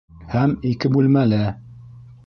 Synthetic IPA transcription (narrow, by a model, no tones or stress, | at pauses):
hæmikɘbʉlmælɘ